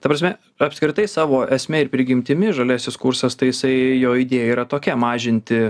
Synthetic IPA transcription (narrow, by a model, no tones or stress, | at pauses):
t̪ɐpɾɐsʲmʲɛ | ɐpʲskɾʲɪt̪ɐɪsɑːʋoːʔɛsʲmʲɛɪɾpʲɾʲɪɡʲɪmʲt̪ʲɪmʲɪʒɐlʲæːsʲɪskʊɾsɐst̪ɐɪjɪsɐɪjoːid̪ʲeːjɛiːɾɐt̪oːkʲɛmɑːʒʲɪnʲt̪ʲɪ